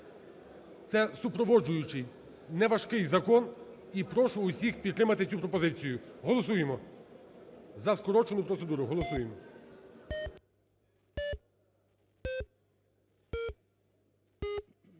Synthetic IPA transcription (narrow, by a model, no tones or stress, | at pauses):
t̪sɛsʊpɾɔʋɔd͡ʒʊjʊt͡ʃɪj | nɛʋɐʃkɪjzɐkɔn | ipɾɔʃʊːsʲixpʲid̪t̪ɾɪmɐt̪ɪt͡sʲupɾɔpɔzɪt͡sʲijʊɦɔlˠɔs̬ujemɔ | zɐskɔɾɔt͡ʃenʊpɾɔt̪se̞d̪uɾʊɦɔlˠɔsujemɔ